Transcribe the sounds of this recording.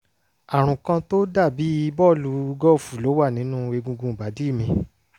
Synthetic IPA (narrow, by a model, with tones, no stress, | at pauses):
a˨ɾ̃ũ˨kã˧to˦da˦˨bi˨˦i˦˧bɔ˦˨lu˨˧˦ɡɔ˦˨fu˨lo˨˦wa˦˨nĩ˨˦nũ˦e˧ɡũ˧ɡũ˧˨ba˨˦di˦˨mĩ˧